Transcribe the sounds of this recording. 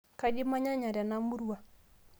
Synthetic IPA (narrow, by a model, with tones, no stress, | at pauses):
ka˦d͡ʒɪ˦ma˦ɲa˦ɲa˨ɾja˨na˦mu˦ɾu˦wa˨